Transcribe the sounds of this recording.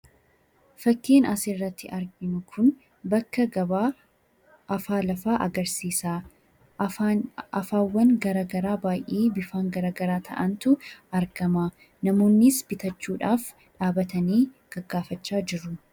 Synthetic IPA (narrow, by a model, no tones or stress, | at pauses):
fɐkːeːnɐsɪrːɐt̪ːɪʔɐɾɡɪnʊkʰʊn | bɐkːɐɡɐbaː | ʔɐfaːlɐfaːʔɐɡɐɾsiːsaː | ɐfaːwːɐnɡɐɾaːɡɐɾaːbaːjʔeːbɪfaːŋɡɐɾaːɡɐɾaːt̪ʰɐ̰ʔɐnt̪ʊɐɾɡ̥ɐmaː | nɐmo̞ːnːɪsb̥ɪt̪ɐt͡ʃːuːᶑaːf | ᶑaːbɐt̪ɐniːɡ̥ɐɡːaːfɐt͡ʃːaːd͡ʒɪɾʊ